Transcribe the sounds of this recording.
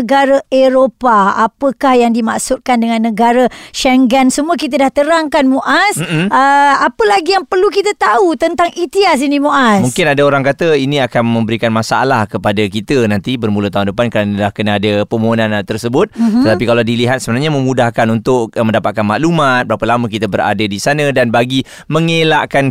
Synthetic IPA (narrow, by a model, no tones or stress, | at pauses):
əɡaɾaeɾopaapəkahjaŋdima̰ʔsʊt̪̚kandəŋãnːəɡaɾəʃɛŋɡɛnsəmuak̬it̪̬ədaht̪əɾaŋkanmuʔasm̩m̩əapəlaɡijaŋpərlukit̪ət̪aut̪ənt̪aŋʔit̪ias̬inimuʔasmuŋkɪnadaoɾaŋkat̪əinĩakanmə̃mbəɾikanmasaa̰lahkəpadakit̪ənant̪ibərmulət̪aɦundəpankəɾanəlahkənaadəpəmoonãnt̪ərsəbʊt̪̚t̪ət̪apikalawdiliɦat̪̚səbənarɲamə̃mudahkanunt̪ʊkmə̃ndapat̪̚kanmaʔlumat̪̚bəɾapəlamək̬it̪əbəɾa̰dadisanə̃danbaɡi | məŋela̰ʔkan